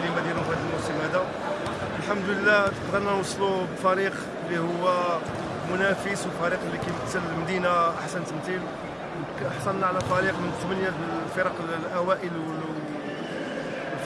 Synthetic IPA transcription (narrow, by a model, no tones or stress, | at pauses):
limæd̪iɾʊfhæd̪əlmʊsəmhæd̪æ | əlħamd̪ləlːæt̪əqd̪əɾˤnɑnwɑsˤːlubfæɾiq | lːihʊwːæ | mʊnæfəswlfæɾiqlːikæjmət̪ːəlməd̪inaʔaħsənt̪əmt̪il | w | ħsˤɑnnːaʕlæfæɾiqmənt̪ːmənjæ | fiɾˤɑqllʔæwæʔəlwə